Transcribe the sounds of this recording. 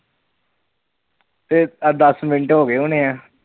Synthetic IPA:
t̪eːd̪əsmɪnɪɳʈɦoːɡeːʊneːɛ̃ː

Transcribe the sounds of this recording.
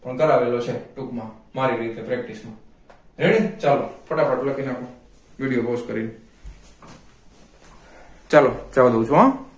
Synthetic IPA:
pəɳk̪əɾaʋelot͡ʃʰeʈukmãmaɾiɾit̪epɾek̚ʈismãɾeɽ̃ĩt͡ʃalopəʈapaʈləkʰinapõ | ʋiɽijoposʈkəɾine | t͡ʃalot͡ʃalod̪eũt͡ʃʰuɦã

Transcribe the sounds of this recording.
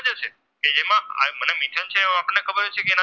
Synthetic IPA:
d͡ʒət͡ʃʰe | ked͡ʒemãa̰mənemiʈʰənt͡ʃʰẽapəɳnekʰəbəɾd͡ʒet͡ʃʰekeena

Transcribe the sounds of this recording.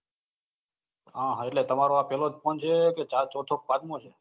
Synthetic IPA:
ɦãɦãeʈlet̪əmaɾoapɛlod͡ʒpəɳt͡ʃʰeket͡ʃaɾt͡ʃɔt̪ʰok̚pad̪mot͡ʃʰe

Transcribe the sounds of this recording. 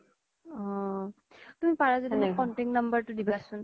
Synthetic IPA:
ɔ | tumipaɹazadinakɔntiŋnʌmbəɹtudibasun

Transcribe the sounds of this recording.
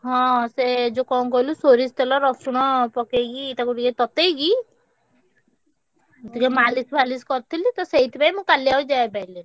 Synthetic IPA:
ɦɔ̃sed͡ʒokɔ̃kɔɦilusoɾist̪ɛlɔɾɔsuɽ̃ɔpɔkeɡiːt̪akuʈiket̪ɔt̪eɡi | d̪ikemalisbaliskɔɾt̪ʰilit̪ɔseɦit̪ʰipajmũkaliaud͡ʒaebaile

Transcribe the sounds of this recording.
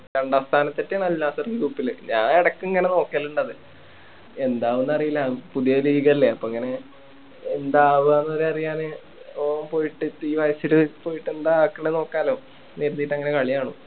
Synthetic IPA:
kɐɳɖaːst̪ʰaːnɐt̪ːetːenɐlːaːsɐrɡiɾuːpːilɲaːneɽɐkːɨŋːɐne̞no̞ːkːelːuɳɖɐðɨ | e̞nd̪aːʋunːɐrijilːɐpuðijɐɾiːiɣɐilːeɐpːoːŋːɐne̞ | end̪aːʋɨɐnːɐʋɐɾeɐrijaːnɨ | oːmpo̞ːjiʈːɨtiːʋɐjɐsilɨpo̞ːjiʈːe̞nd̪akːeɳeno̞ːkːaːlo̞ː | neɾunːijʈːɐŋːɐne̞kɐɭijaːɳṵ

